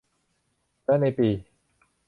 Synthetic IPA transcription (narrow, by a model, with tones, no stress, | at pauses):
pɛː˦˥˩na˧jpiː˧